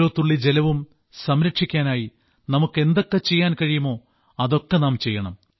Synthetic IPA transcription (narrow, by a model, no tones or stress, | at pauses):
oːt̪ːuɭːid͡ʑe̞lɐʋum | sɐmɾɐkʂikʲːaːnaːji | nɐmukːe̞nd̪o̞kːe̞t͡ɕe̞jːaːnkɐɻijumo̞ː | ɐðo̞kːe̞naːmt͡ɕe̞jːɐɳɐm